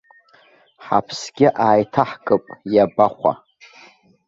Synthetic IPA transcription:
ħa̰pʰsɡʲɪʔaːjtʰaħkʼɨpʼjabaχʷa̰

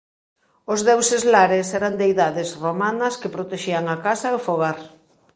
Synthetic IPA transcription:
ozðewsezlaɾesɛɾand̪eiðaðɪsromanɐskepɾot̪eʃiaŋakasɐefoɣaɾ

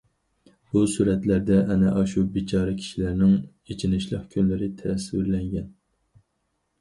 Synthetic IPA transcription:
busuɾɛt̪læɾd̪ɛʔɛnɛʔɑʃubit͡ʃʰɑːɾɛkʲʰi̥ʃilæɾnɪŋ | et͡ʃʰinɪʃlˠəqkʲʰønlɪɾɪt̪ʰɛɾɛswyɾlɛŋɡʲɛn

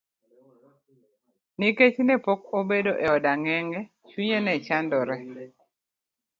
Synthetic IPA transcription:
niket͡ʃnɛpokobedoʔɛɔdaŋɛŋɡɛ | t͡ʃwiɲenɛt͡ʃandɔɾɛ

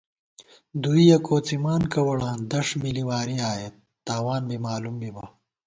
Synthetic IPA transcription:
d̪uijɐkoːt͡simaːnkɐwɐɽãːnd̪ɐʂmiliwaːɾiaːjet̪ːaːwaːnbimaːlumbibɐ

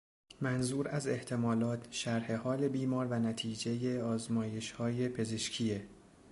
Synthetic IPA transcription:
mænzuːɾæze̞ht̪ʰe̞mɒːlɒːt̪ʰʃæɾhe̞hɒːle̞biːmɒːɾvænæt̪ʰiːd͡ʒe̞je̞ɒːzmɒːje̞ʃhɒːje̞pʰe̞ze̞ʃcʰiːje

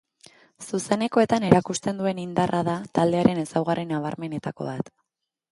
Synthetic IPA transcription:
suse̞ne̞ko̞e̞t̪ane̞ɾakust̪e̞nd̪ue̞nind̪arʔaðat̪ald̪e̞aɾe̞ne̞sawɣ̞arinaβ̞aɾme̞ne̞t̪ako̞̰βat̪

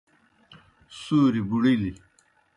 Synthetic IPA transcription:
suːɾibuɽili

